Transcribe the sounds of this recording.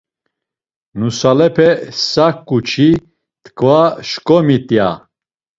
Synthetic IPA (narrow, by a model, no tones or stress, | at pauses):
nusalɛpʰɛsakʼːut͡ʃʰi | t̪ʰkʰvaʃkʼɔmit̪ʼja